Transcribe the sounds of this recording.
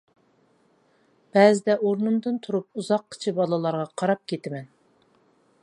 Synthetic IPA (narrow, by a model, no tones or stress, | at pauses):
b̥ɛzɪd̪ɛʔoɾnumd̪ɨnt̪ʰuɾup̚uzɑqːʰə̥t͡ʃʰɪbɑlˠɨlˠɑɾʁɑqʰɑɾɑp̚kʲʰet̪ɪmɛn